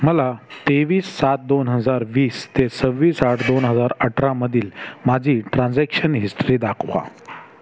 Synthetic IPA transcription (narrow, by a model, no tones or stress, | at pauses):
məlat̪eʋiːsːat̪̚d̪onɦəd͡zaɾʋiːst̪esəʋːiːsaʈʰd̪onɦəd͡zaɾəʈʰɾãməd̪ʱiːlmad͡ʑʱiːʈɾãnd͡zɛkʂənɦisʈɾiːd̪akʰʋa̰